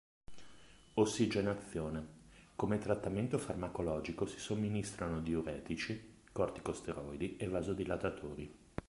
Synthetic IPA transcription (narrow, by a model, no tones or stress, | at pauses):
osːid͡ʒenat̪sːjoːnekomet̪ɾat̪ːament̪ofarmakolɔːd͡ʒikosi̥somːinist̪ɾanod̪ioɾɛːt̪it͡ʃi | kɔrt̪i̥kost̪eɾɔjd̪ievːaːzod̪ilat̪at̪ʰoːɾi